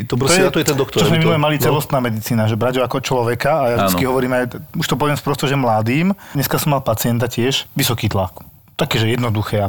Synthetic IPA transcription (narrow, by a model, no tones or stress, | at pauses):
t̪ɔpɾɔɔɛat̪ɔjɛt̪ɛnd̪ɔkt̪ɔt͡ʃɔzmɛminulɛmalitt͡sɛlɔst̪naːmɛd̪it͡siːnaʒɛbɾaɟɔakɔt͡ʃlɔʋɛkaːjavdit͡skiɦɔʋɔɾiːmajuʃt̪ɔp̬ɔʋɪɛmspɾɔst̪ɔʒɛmlad̪iːmɲɛskasɔmːalpat͡sɪɛnt̪acɪɛʒʋisɔkiːt̪lak | t̪akɛːʒɛjɛd̪nɔd̪uxɛːa